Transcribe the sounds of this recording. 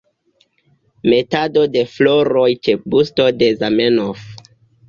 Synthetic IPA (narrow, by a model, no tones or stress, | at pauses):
me̞tado̞de̞floɾojt͡ʃebusto̞de̞zamenof